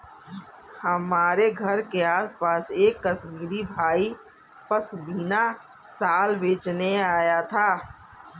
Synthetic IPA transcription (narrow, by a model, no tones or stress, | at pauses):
hɐmaːɾeɡʱɐɾkeaːspaːseːkːəsmiːɾibʱaːi | pɐɾsʊbiːna | saːlbeːt͡ʃneaːjat̪ʰaː